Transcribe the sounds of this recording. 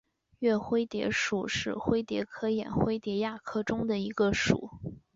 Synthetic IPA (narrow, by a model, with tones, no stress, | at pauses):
ɥɛ˥˩xwe˥ɪt̪jɛ̰˧˥ʂu˨˩ʂɻ̩˥˩xwe˥ɪt̪jɛ˧˥kʰɤ˥jɛ̰˨˩nxwe˥ɪt̪jɛ˧˥ja˥˩kʰɤ˥˩ʈ͡ʂʊ˥ŋd̪ə˨i˧˥ɡə˧ʂṵ˨˩˦